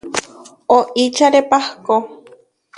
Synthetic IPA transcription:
oʔit͡ʃaɾepahko

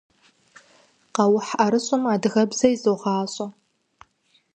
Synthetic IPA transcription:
qɑwʊħʔɐɾɨɕʼʊmaːdɣɐbzɐizowʁɑːɕʼɐ

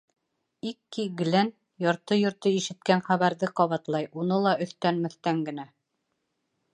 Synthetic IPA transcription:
ikːiɡ̆læn | jɑɾt̪ɤjŏɾt̪ɤiʃɘ̆t̪̚kænχæβæɾðɘqɑβɑt̪lˠɑjunɤlˠɑɵ̆θt̪ænmɵ̆θt̪æŋɡɘ̆næ

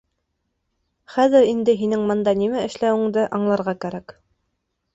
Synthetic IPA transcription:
χæðɘɾind̪ɘɦinɘŋmɤ̆nd̪ɑnimæʔɘ̆ʃlæwɘ̆ŋd̪ɘʔɑɴlˠɑɾʁɑkæɾæk

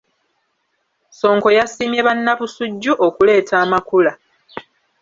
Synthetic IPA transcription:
so̞ːŋko̞jasiːmjeβanːaβusuɟːuʔokule̞ːtʰaːmakula

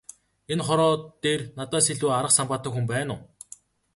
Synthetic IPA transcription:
enχɔɾɔːt̪ːeːrnat̪aːseɮuːaɾə̆qsampaːt̪ə̆kxumpæːnʊː

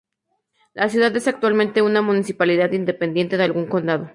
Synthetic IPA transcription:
lʔasjuðaðe̞sak̚t̪walmẽnt̪e̞unamũnisipalið̞aðind̪e̞pe̞nd̪je̞nt̪e̞ðealɣuŋko̞nd̪aðo

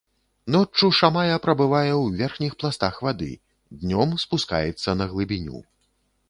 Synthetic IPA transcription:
nɔt͡ʂːuʂamajɐpɾɐbɨvajɛwvʲɛrxnʲixplˠast̪axvad̪ɨ̰ | d̪nʲɔmspuska̰jɛt̪sːɐnɐɣlˠɨbʲinʲṵ

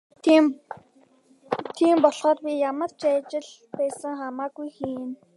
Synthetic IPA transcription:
t̪ʰiːmpɔɮχɔːt̪pʲijamə̆rt͡ɕæːt͡ɕɪ̆ɮ | pæːsə̆ŋχamaːɡujxiːn

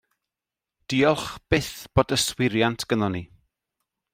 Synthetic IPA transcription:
d̥iɔlˠχb̥ɪθb̥oːdəswɪɾjantʰɡ̥ənɔni

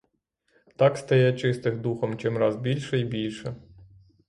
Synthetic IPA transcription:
t̪ɑkst̪ɐjɛt͡ʃɪst̪ɪxd̪uxɔmt͡ʃɪmɾɑzbʲilʲʃɛibʲilʲʃɛ

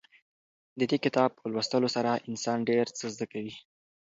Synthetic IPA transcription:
d̪əd̪ekɪt̪ɑb̚pəlwast̪əlosaɾaʔɪnsɑnɖeɾt͡səzd̪əkawi

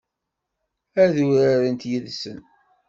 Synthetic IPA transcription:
æðuɾaɾənt̪jiðsən

